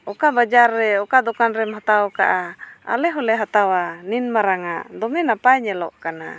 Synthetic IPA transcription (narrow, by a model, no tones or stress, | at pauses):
ɔkabad͡ʒarːɛɔkad̪ɔkanɾɛmɦat̪awɔkaʔaa̰lɛɦɔlɛɦat̪awaninmaɾaŋaʔd̪ɔŋɛnapajɲɛlɔ̰ʔkana̰